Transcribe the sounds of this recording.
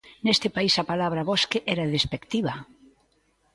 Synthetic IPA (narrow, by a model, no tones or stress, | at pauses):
nest̪ɪpaisɐpalaβɾɐβɔskeʔɛɾaðespekt̪iβɐ